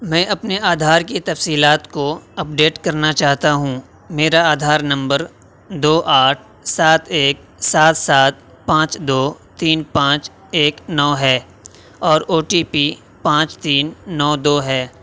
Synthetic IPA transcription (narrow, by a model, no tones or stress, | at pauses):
mɛ̃ːʔɐpneaːd̪ʱaːɾkit̪ɐfsiːlaːt̪koɐp̚ɖeːʈkɐɾnat͡ʃaːɦt̪aɦũ | meːɾaaːd̪ʱaːɾnɐ̃mbəɾ | d̪oːʔaːʈʰ | saːt̪ʰeːk̚ | saːt̪saːt̪̚ | pãːt͡ʃd̪oːt̪iːnpãːt͡ʃ | eːknɔːɦɛː | ɔːɾoːʈiːpiː | pãːt͡ʃt̪iːnːɔːd̪oːɦɛː